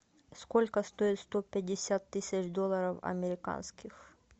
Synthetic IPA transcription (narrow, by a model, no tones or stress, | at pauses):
skolʲkəst̪oɪt̪st̪opʲɪdʲɪsʲat̪ːɨsʲət͡ɕd̪olˠɐɾəfɐ̰mʲɪɾʲɪka̰nskʲɪx